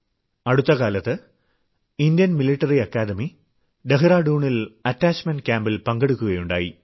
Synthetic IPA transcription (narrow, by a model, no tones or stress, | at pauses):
ɐɽut̪ːɐɣaːlɐt̪ːɨ | indjɐnmiliʈːɐriɐkːaːd̪ɐmi | ɖeɦɨraːɖuːɳilɐtːaːt͡ɕmɐnɖkjaːmbilpɐŋɡeɽukːuɣɐjuɳɖaːjḭ